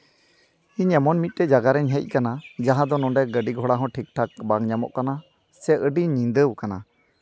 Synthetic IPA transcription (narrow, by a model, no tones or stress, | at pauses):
iɲɛmɔnmit̪̚ˀʈɛd͡ʒaɡaɾɛɲɦɛc̚ˀkanad͡ʒaɦãd̪ɔnɔɳɖɛɡəɖiɡʱɔɽaɦɔ̃ʈʰik̚ʈʰak̚baŋɲamɔ̰ʔkana | sɛʔəɖiɲːĩnd̪əwkana̰